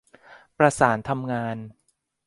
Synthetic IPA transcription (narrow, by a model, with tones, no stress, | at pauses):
pɾa˧saː˩˦nt̪ʰa˧mŋaː˧n